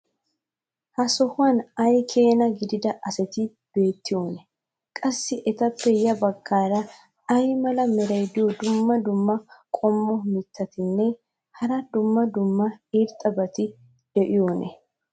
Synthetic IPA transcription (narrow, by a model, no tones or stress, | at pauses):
hɐsɔhʊwɐnɐjkʰe̞ːnɐɡɪd̪ɪd̪ɐʔɐsɛt̪ɪ | b̥e̞ːt̪ːɪjoːnɛ | kʼɐsːɪʔɛt̪ɐpːɛjɐbɐɡːaːɾɐ | ɐjmɐlɐmɛɾɐjd̪ɪjɔd̪ʊmːɐd̪ʊmːɐkʼɔmːɔmɪt̪ʰːɐt̪ɪnːɛ | hɐɾɐd̪ʊmːɐd̪ʊmːɐiɾt̪ʼːɐbɐt̪ɪ | d̪̥ɛʔɪjoːnʔɛ̰